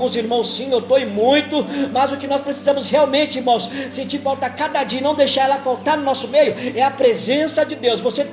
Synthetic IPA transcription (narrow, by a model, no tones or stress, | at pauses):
ũziɾmɐ̃w̃sːĩewt̪oɪmũj̃t̪ʊmɐzʊkɪnɔspɾesizɐ̃mʊsheawmẽnt͡ʃɪiɾmɐ̃w̃ssẽt͡ʃiɾfawt̪akad̪ɐd͡ʒiɐnɐ̃w̃d̪ejʃaɾɛlɐfawt̪aɾnʊnɔsʊmejʊɛɐpɾezẽsɐd͡ʒɪd̪ewsvose